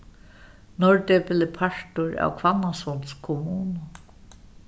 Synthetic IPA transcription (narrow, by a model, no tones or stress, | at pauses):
nɔɹt̪ɛpɪlɪpʰaɹt̪ʊɹa̰wkʰvanasɔnskʰɔmuːnʊ